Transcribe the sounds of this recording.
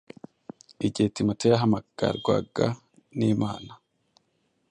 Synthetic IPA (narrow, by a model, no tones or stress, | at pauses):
iɟetimatejaɦamaɡ̥a̰ɾɡwa̰ɡa | niːmaːna